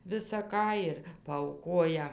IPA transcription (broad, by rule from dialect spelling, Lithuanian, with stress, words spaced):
ʋʲɪsɐ ˈkɑː ɪr pɐɐʊˈkoːjɛ